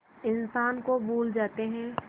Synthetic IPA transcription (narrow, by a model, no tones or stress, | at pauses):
ɪnsaːnkobʱuːld͡ʒaːt̪eɦɛ̃ː